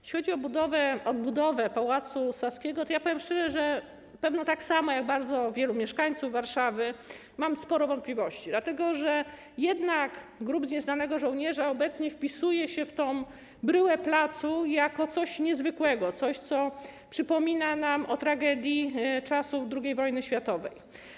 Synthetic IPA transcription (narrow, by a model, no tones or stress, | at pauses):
jɛʃʲixɔd͡ʑiɔbud̪ɔvɛɔd̪̚bud̪ɔvɛpawat̪susaskʲɛɡɔt̪ɔjapɔvʲjɛmʂt͡ʂɛʐɛʐɛ | pɛvnɔt̪aksamɔjaɡ̚baɾd̪zɔvʲjɛlumʲjɛʂkaɲt̪suvːaɾʂavɘ | mamspɔɾɔvɔnt̪̚plʲivɔɕt͡ɕid̪lat̪ɛɡɔʐɛ | jɛd̪nakɡɾubzɲɛznanɛɡɔʐɔwɲɛʐaɔbɛt̪sɲɛfpʲisujɛɕɛft̪ɔw̃ | bɾɘwɛplat̪sujakɔt̪sɔɕɲɛzvɘkwɛɡɔt̪sɔɕt̪sɔpʂɘpɔmʲinanamɔt̪ɾaɡɛd̪ʲjit͡ʂasud̪ɾuɡʲejvɔjnɘɕfʲjat̪ɔvɛ̰j